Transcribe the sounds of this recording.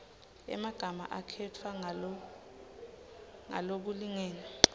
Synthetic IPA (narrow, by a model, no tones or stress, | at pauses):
ɛ̰maɡ̥ʱama̰ʔakʰɛtʰwaŋ | ŋa̰lok̬uliŋɛːna